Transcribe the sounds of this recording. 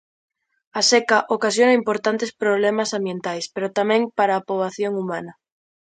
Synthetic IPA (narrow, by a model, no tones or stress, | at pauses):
asekaʔokasjonaimpoɾt̪ant̪espɾoβlemasãmbje̞nt̪ajspeɾot̪amẽŋpaɾaːpoβaθjoŋumana